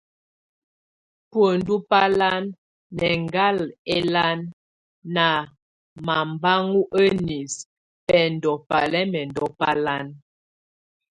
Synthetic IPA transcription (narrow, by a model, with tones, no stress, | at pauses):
pwə˨ndu˦pa˦la˦nː | ɛ˨ŋɡa˦lɛ˦la˦nː | a˨ | ma˨mba˦ŋu˦ʔə˦ni˨s | pɛ˨n̩˨dɔ˨pa̰˨lɛ˦mɛ˨ndɔ˦pa˦la˦n